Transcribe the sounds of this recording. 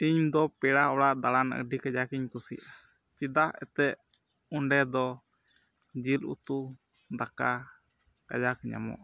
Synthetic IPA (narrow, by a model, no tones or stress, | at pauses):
iɲd̪ɔpɛɽaɔɽaʔd̪aɽanə̰ɖikad͡ʒakiɲkusḭʔa | t͡ʃid̪ahɛ̰t̪ɛʔ | uɳɖɛd̪ɔ | d͡ʒilṵt̪u | d̪aka | ka̰d͡ʒakiɲa̰mɔ̰ʔa